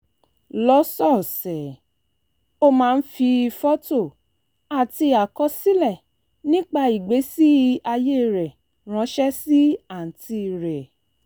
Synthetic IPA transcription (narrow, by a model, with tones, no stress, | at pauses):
lɔ˨˦sɔ˦˨sɛ˨ | o˦mãː˦˧n̩˦fi˧i˧fɔ˦to˦˨ | a˦˨ti˧a˨kɔ˧˦si˦lɛ˦˨ | nĩ˦k͡pa˧i˨ɡ͡be˨˦si˦˧a˧je˦˨ɾɛ˨ | ɾ̃ã˨˦ʃɛ˦si˦a˦˨n̩˨ti˧˨ɾɛ˨